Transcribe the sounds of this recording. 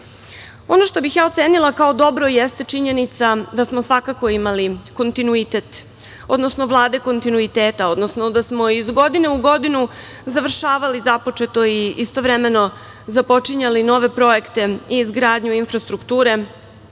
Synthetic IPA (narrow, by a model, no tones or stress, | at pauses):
o̞noʃt̪o̞bixjaːo̞t̪seːnilˠakao̞d̪o̞bɾo̞jest̪e̞t͡ʃiɲe̞nit̪sad̪asmosʋakako̞imaliko̞nt̪inuit̪et̪ | o̞d̪nosno̞ʋlˠaːd̪e̞ko̞nt̪inuit̪eːt̪ao̞d̪no̞snod̪asmo̞izɡo̞d̪ineuɡo̞d̪inu | zaʋr̩ʃaːʋalizapot͡ʃe̞t̪o̞iʔist̪o̞ʋɾeme̞no̞ | zapo̞t͡ʃiɲalino̞ːʋe̞pɾo̞ekt̪e̞iːzɡɾaːd̪ɲuinfɾast̪ɾukt̪uːɾe̞